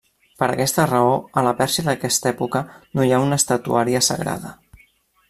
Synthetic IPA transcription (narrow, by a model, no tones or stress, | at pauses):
pəɾə̰kɛst̪ərəoələpɛɾsiəðəkɛst̪ɛpukənojaunəst̪ət̪ṵaɾiəsə̰ɣɾa̰ðə